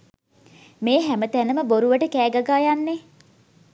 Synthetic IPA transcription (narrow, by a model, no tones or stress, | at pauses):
meːɦæmət̪ænəməboɾuʋəʈəkæːɡaɡaːjanːe